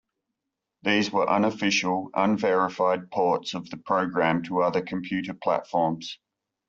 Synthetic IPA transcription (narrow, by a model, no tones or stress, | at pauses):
ðiːzwəɹʔʌ̰̃nəfɪʃəlˠʌ̰̃nvɛɹɪfɑɪd̚pʰɑˑtsəvðəpʰɹ̥əʊɡɹæ̃mtʰəʌðəkʰə̃mpʰj̥ʉˑɾəpʰl̥æ̰tfɔːmz̥